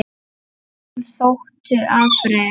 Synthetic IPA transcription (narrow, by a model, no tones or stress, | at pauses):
θowht̪ʏʔaːfɾɛ